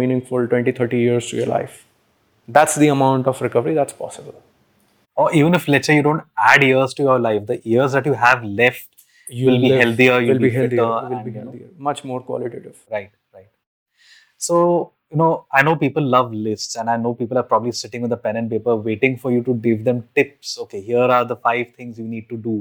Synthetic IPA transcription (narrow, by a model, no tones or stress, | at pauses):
iːnɪ̃ŋfʊlʈwɛ̃ɳʈit̪ʰəɾʈijiəɾz̥ʈṵjə̰ɾla̰ɪf | d̪æʈsd̪iəmãʊ̃ɳʈɔfɾɪkʌʋəɾid̪æʈspɔ̰ːsɪbəl | ɔʔiːʋə̃nɪflɛt͡ʃəɾjuːɖõːɳʈæɖiəɾzʈujaəɾlaɪfd̪əʔiəɾzd̪æʈjuɦæʋlɛfʈ̚ | ʋɪlbiɦɛlt̪iəjuliɦɛəɪliimʌt͡ʃmoːɾkwɔ̰ːlɪʈḛːʈɪʋɾaɪʈ̚ | ɾaɪʈ̚ | soː | junoːaɪnoːpiːpəlːʌʋlɪsʈsɛ̃nɖaɪnoːpiːpəlˠaːɾpɾɔbəblisɪʈɪ̃ŋʋɪ̃nd̪əpɛ̃nə̃ɳnʈp̬eːpəʋeːʈɪ̃ŋfɔɾjuʈuɡɪʋd̪ɛ̃mʈɪpsoːkeɦiəɾaːɾd̪əfaɪʋt̪ʰɪ̃ŋzjuːniːɖ̚ʈuɖuː